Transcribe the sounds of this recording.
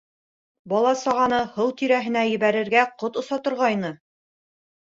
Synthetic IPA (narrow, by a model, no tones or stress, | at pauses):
bɒlˠɑsɑʁɑnɤhɤwt̪iɾæɦɘ̆næjɘ̆βæɾɘ̆ɾɡæqot̪ŏsɑt̪ŏɾʁɑjnɤ